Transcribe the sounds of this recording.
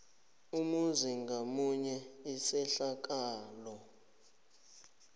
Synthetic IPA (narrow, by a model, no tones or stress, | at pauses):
umuziŋɡʱamuɲɛisɛɬak̬ʼaːlɔ